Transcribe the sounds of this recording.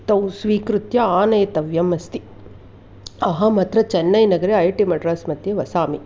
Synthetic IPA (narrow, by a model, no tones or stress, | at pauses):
t̪ɐwsʋiːkɾut̪jɐaːnɐjɐt̪ɐʋjɐmɐst̪i | ɐɦɐmɐt̪ɾɐt͡ʃɐnːɐjnɐɡɐɾeɐjʈimɐʈɐɾaːsmɐt̪jeːʋɐsaːmi